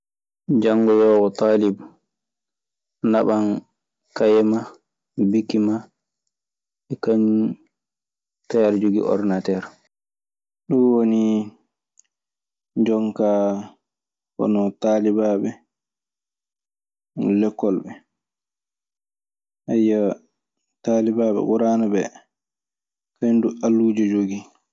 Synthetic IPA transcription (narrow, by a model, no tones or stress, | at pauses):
d͡ʒaŋːɡɔjɔwɔt̪aːlib | naɓan | kajɛma | bikːima | ɛkaɲ | tajaɾd͡ʒoɡḭʔɔ̰ɾnatɛɾ | ɗuwoni | d͡ʒɔŋkaː | hɔ̰nɔtaːlibabɛ | lɛkːɔlɓɛ | ʔajːa | taːlibaɓɛ̰ʔuɾaːnabɛ | kaɲdualːuːd͡ʒɛd͡ʒoɡi